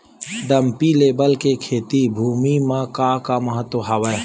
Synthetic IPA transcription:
ɖəmpileːbəlkekʰeːt̪ibʱuːmimãkaːkamɐɦət̪wəɦɐʋə

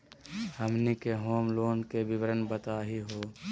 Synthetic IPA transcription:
həmnikeɦoːmloːnkebɪʋɾənbət̪aːɦiɦoː

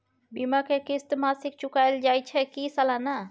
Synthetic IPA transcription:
bimakekɪst̪masik̚t͡ʃʊkajld͡ʒajt͡ʃʰɛkisəlana

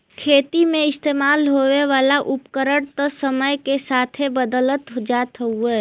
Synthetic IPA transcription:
kʰeːt̪imẽɪst̪eːmaːlɦoweʋaːlaʔʊpkəɾəɽt̪ɔsəməjkesaːt̪ʰebəd̪ələt̪ɦod͡ʒat̪ɦəueː

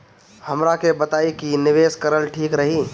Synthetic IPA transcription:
həmɾakebət̪aːikinɪʋeːskəɾəlʈʰiːkɾəɦi

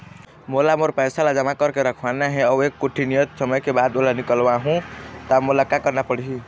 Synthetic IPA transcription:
molamoɾpəjsalad͡ʒəmakəɾkeɾəkʰwanaɦɛ̃ɔekːuʈʰinijət̪səməjkebad̪olanikəlwaɦũt̪amolakakəɾnapəɽiɦi

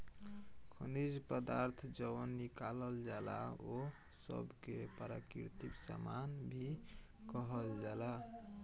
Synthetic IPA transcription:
kʰənid͡ʒpəd̪aɾt̪ʰd͡ʒəwənːikaləld͡ʒala̰o | sə̰bkepəɾa̰kḭɾt̪iksa̰manbʱi | kəɦəld͡ʒala

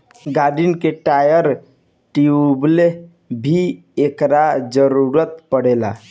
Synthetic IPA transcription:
ɡaɖinkeʈajəɾ | ʈiuble | bʱi | ekɾad͡ʒəɾuɾət̪pəɽela̰

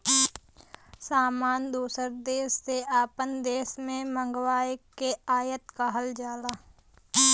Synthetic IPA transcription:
saːmaːnd̪uːsəɾd̪eːsːeʔaːpənd̪eːsmẽmə̃ŋɡwaːjkeaːjət̪kaɦɐld͡ʒaːlaː

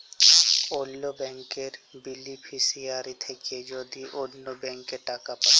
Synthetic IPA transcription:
oːlːobɛ̃ːŋkeɾbilːipʰisijaːɾit̪ʰeked͡ʒoːd̪iʔoːllobɛ̃ːŋkːeʈaːkapɐɾ

